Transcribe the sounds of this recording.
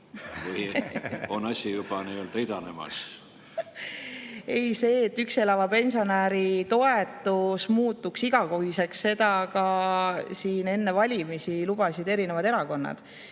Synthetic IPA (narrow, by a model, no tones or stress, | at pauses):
vɯjonɑsʲijub̥ɑniːøld̪̥ɑid̪ɑnemɑ̰s | e̞jse̞ːt̪ːykse̞lɑvɑpe̞nsio̞næɾit̪o̞e̞t̪ːˑusmuːt̪ːˑuksiɡ̥ɑkoɦise̞ksːe̞d̪̥ɑkɑ | siːne̞nːe̞vɑlʲimisilub̥ɑsid̪e̞ɾine̞vɑd̪e̞ɾɑko̞nːɑ̰d̪̥